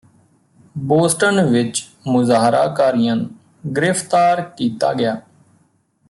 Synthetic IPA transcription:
boːsʈənʋɪt͡ʃ | mʊzaːɦɾa̰ːkaːɾɪjãːnũ | ɡɪɾɪft̪aːɾkiːt̪a̰ːɡɪjaː

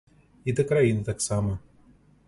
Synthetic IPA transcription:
id̪ɛkɾajinɨt̪aksamɐ

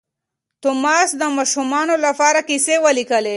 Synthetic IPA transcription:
t̪ʊmɑsd̪əmɑʃumɑnolapɑɾakisewəlikəle

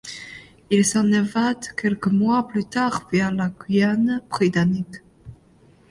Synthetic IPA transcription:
ilsɑ̃nevad̪kʲɛlkəmwaplyt̪aʁvɛʁlakianbʁit̪anik

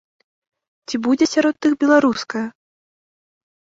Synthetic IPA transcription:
t͡sʲibud͡zʲɛsʲaɾɔt̪ːɨxbʲɛlˠaɾuskɐjɐ

